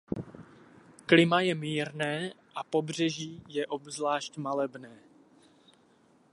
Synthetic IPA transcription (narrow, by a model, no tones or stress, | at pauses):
klɪmajɛmiːɾnɛːʔapo̞br̝ɛʒiːjɛʔo̞bzlaːʃcmalɛbnɛː